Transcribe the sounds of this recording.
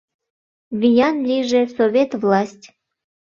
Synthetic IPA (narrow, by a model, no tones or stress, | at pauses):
βʲijɑnlʲiʒesoβʲet̪vlɑsʲtʲ